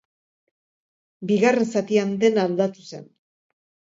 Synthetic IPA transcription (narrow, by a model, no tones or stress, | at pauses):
biɣare̞nsat̪iand̪e̞nald̪at̪use̞̰n